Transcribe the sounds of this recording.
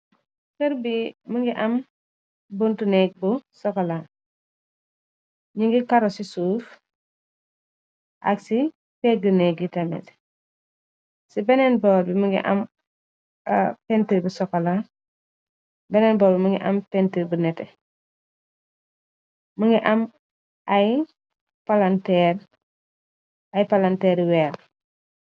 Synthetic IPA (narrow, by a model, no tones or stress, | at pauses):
kəɾbimuŋɡiʔam | buntunɛk̚busɔkɔla | ɲiŋɡikaɾɔsisuːf | ʔa̰ksi | pɛɡəneɡitamɛ̰t | sibɛnɛnbɔlbimuŋɡḭʔa̰m | pɛntiɾbusɔkːɔla | bɛnɛnbɔːlbiməŋɡḭʔampɛntiɾbunɛtɛ | məŋɡiʔam | aj | palantɛɾ | ajpalantɛːɾiwɛl